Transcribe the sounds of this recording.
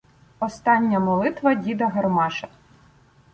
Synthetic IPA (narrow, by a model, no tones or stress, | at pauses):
ɔst̪ɑnʲːɐmɔlˠɪt̪ʋɐdʲid̪ɐɦɐrmɑʃɐ